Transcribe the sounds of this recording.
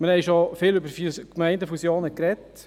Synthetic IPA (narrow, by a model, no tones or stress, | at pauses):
məɾhɛɪʃofɪːlʏbəɾfkmæɪndəfusjoːnəkɾɛt